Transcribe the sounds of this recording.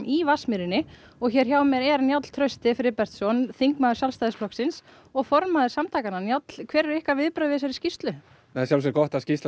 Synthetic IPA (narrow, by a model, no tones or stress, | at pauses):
ʔivasmɪɾɪnɪ | ɔɣçɛɾ̥çawmjɛɾɛɾnjat̪l̥t̪ʰɾœɥst̪ɪfɪɾɪpɛr̥t̪sɔnθiŋkmaðʏ̥sjalst̪ajðɪsflɔhksɪns | ɔɣfɔɾmaðɪsamt̪ʰaːkananjat̪l̥kʰvɛːɾɛɾɪhkavɪðpɾavɪːs̬aɾɪscist̪lʏ | nɛsjawls̬ɛkɔht̪ascist̪l